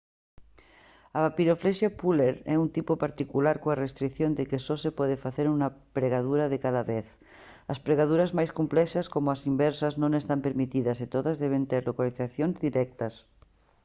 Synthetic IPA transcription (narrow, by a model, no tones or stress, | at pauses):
aβapiɾofleʃjapuleɾɛunt̪ipopaɾt̪ikulaɾkoarest̪ɾikθjond̪ekesosepwɛðefaθeɾunapɾeɣað̞uɾaðekaðaβeθ | aspɾeɣað̞uɾazmajskomplɛʃaskomoasimbɛɾsaznõnest̪ampeɾmit̪iðaset̪oðazðɛβ̞ent̪eɾlokaliθaθjonzðiɾɛk̚t̪as